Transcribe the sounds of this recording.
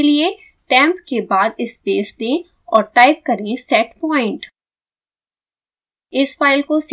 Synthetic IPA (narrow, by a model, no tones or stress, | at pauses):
lie | ʈɛ̃ːmpkebaːd̪ɪspeːsd̪ẽ | ɔːɾʈaːɪp̚kɐɾẽsɛːʈpɔːɪ̃ɳʈ | ɪsfaːɪlkos